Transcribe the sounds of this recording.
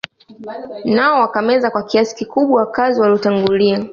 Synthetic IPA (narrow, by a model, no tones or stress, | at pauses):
naɔwakamɛzakwakiasi̥kikuɓwawakaziwaliɔtaŋɡulia